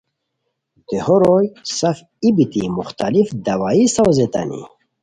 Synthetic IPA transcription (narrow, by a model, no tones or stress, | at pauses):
t̪ehoɾojsaf | ibit̪imuxt̪alifd̪awaːjisawzet̪a̰nḭ